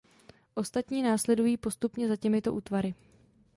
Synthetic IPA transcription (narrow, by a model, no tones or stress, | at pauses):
ʔo̞st̪at̪ɲiːnaːslɛdujiːpo̞st̪upɲɛzacɛmɪt̪o̞ʔuːt̪vaɾɪ